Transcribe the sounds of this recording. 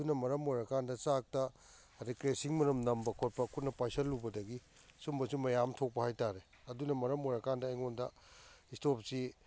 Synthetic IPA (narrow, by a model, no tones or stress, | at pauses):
unɐmɐɾɐmojɾɐkandɐsak̚tɐ | ɾikɾesiŋmɐɾɐmnɐmbɐkʰot̚pɐkʰut̚nɐpajsɐlːubɐdɐɡi | sumbɐsumɐjamtʰok̚pɐhajtaɾe | ɐdunɐmɐɾɐmojɾɐkandɐːjŋondɐ | istopsi